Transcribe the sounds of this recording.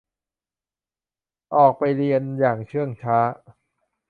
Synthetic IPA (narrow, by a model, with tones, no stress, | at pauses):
ʔɔː˨˩k̚pa˧jli˧ənjaː˨˩ŋt͡ɕʰɯ˥˩əŋt͡ɕʰaː˦˥